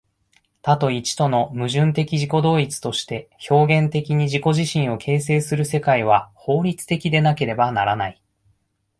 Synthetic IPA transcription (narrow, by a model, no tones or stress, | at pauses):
t̪at̪o̞it͡ɕi̥t̪o̞no̞mɯ̟ʑɨ̃nt̪e̞kʲiʑiko̞d̪o̞ːit͡sɨ̥t̪o̞ɕi̥t̪e̞ço̞ːɡẽ̞nt̪e̞kʲiɲ̟iʑiko̞ʑiɕĩɰ̃o̞kʰe̞ːs̬e̞ːsɨɾɯ̟se̞kaiβ̞aho̞ːɾʲit͡sɨ̥t̪e̞kʲid̪e̞nake̞ɾe̞banaɾanai